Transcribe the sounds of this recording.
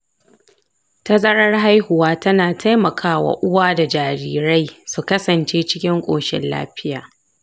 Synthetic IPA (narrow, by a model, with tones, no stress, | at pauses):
tɐ˦zɐ˦ɾɐ˦rɦa˦jhʊ˨waː˦tɐ˦naː˨tʰa˦jmɐ˨kʰaː˦wa̰˨ʔʊ˦waː˦da˨d͡ʒaː˨ɾiː˨ɾa˦jsu˨kɐ˦sɐ˨nt͡ʃeː˦t͡ʃɪ˦kʲɪ˦ŋkʷʼo̰ː˨ʃɪ̰˦nla̰ː˦ɸɪ˦jaː˨